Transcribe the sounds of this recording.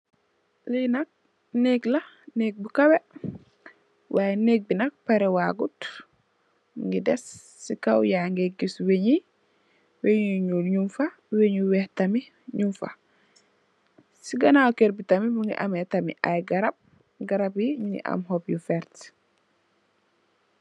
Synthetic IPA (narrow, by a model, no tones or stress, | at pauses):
linɐk̚ | neklɐ | nek̚bukɐwɛ | waːjɛneːk̚binɐk̚paɾɛwaːɡut | ŋɡidɛsː | ikawjaŋɡɛɡisweɲi | weɲuɲulɲumfa | weɲuwɛhtɐmi | ɲumfa̰ | siɡɐnawkeɾbitɐmibuŋɡḭʔɐmɛtɐmḭʔa̰jɡɐɾɐb̚ | ɡaɾɐbjiɲuŋɡḭʔa̰mɦɔpjufɛɾt